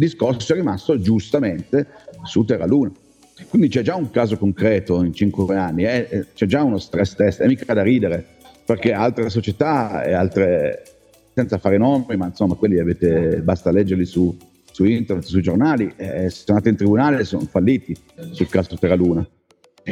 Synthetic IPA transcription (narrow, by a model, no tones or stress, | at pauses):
d̪iskorssoɛrːimast̪od͡ʒust̪ament̪esut̪erːaluːna | kwind̪it͡ʃɛd͡ʒauŋkaːzokoŋkɾɛːt̪oint͡ʃiŋkweeanːiɛt͡ʃɛd͡ʒaunost̪ɾɛst̪ɛsɛmːiːkad̪aɾiːd̪eɾe | perk̟ealt̪ɾesot͡ʃet̪aḛa̰lt̪ɾe | sɛnt̪safaːɾenomimainsomːakwelːiaveːt̪ebast̪alɛd͡ʒːeɾlisu | suint̪ernet̪suid͡ʒornaːliʔɛssonaːt̪eint̪ɾibunaːleso̰nofalːiːt̪i | sulkaːzut̪eraluːna